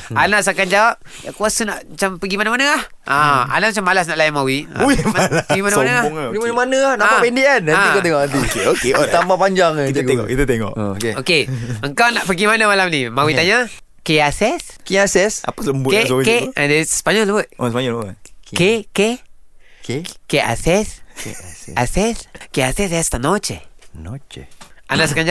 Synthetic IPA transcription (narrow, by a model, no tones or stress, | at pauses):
anaʔsakand͡ʒawap̚ja̰kuasənaʔmat͡ʃampəɡimanamanəah | ãa̰naʔmat͡ʃamːalas̬naʔlajanmawia̰imalɡimaaanaaŋɡimanamanəahnaʔapɛndiʔanaakat̪̬eŋɔʔant̪̬ikeokeot̪ambapaɲd͡ʒaŋkit̪ŋeɔ̰ʔkit̪at̪eŋɔ̰ʔokeokeəŋkawnaʔpəɡimanamalamnimawit̪aɲa | keasɛskiasɛsa̰pasləmbusoikedesə̥paɲɔləwət̪̚ospaɲɔlbət̪keke | kkeʔa̰sɛs | asɛskeasɛsɛst̪anot͡ʃenot͡ʃeanaʔs̬əkaɲd͡ʒa